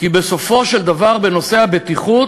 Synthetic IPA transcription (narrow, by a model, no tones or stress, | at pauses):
kibe̞so̞fo̞ʃe̞ld̪avaʁbe̞no̞se̞habet̪iχut